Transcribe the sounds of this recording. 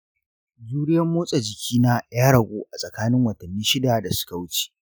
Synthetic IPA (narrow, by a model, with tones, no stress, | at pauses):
zuː˦ɽɪ˦jɐ˦mːoː˦sʼɐ˨d͡ʒɪ˨kʲiː˦na˦jaː˦ɽɐ˨ɡʷoː˦ʔa˨sʼɐ˨kaː˦nɪ˦ŋwɐ˨tɐ˨nːiː˦ʃɪ˦da˨da˨sʊ̥˦ka˨wʊ˦t͡ʃi̥ː˨